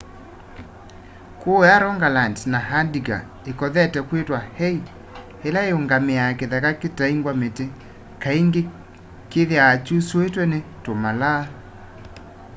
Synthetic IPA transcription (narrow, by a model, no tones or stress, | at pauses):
kojaɾɔŋɡalantnaɦadiɡa̰ | ekɔðɛtɛkwetwahɛi | helaeoŋɡameakeðɛkaketaiŋɡwamete | kaiŋɡe | keðjaːt͡ʃusoetwɛnetomala